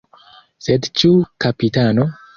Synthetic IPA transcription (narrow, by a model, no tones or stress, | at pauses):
sedt͡ʃukapitano